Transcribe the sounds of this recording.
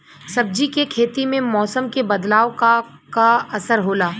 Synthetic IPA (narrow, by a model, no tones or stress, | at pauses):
sɐb̚d͡ʒikekʰeːt̪imẽmɔːsəmkebɐd̪laːoka | kaɐsəɾɦoːlaː